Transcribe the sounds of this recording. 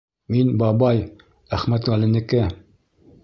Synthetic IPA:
minbɑbɑj | æχmæt̪ʁælɘ̆nɘ̆kɘ

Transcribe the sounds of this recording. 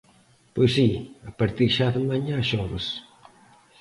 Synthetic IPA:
pojsiɐpɐɾt̪iɾʃaðəmaɲaʃɔβɐs

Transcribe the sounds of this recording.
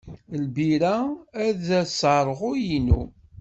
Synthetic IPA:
lbiɾææðæsəɾˤʁʊjinu

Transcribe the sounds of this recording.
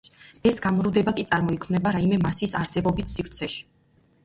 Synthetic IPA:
ɛsɡ̥amɾud̪ɛbakʼit̪sʼaɾmɔikʰmnɛbaɾaimɛmasisaɾsɛbɔbit̪ʰsiɾt̪sʰɛʃi̥

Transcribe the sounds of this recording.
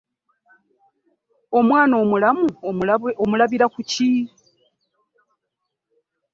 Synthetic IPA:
o̞mwaːno̞ːmulamuomulaβiɾakuci

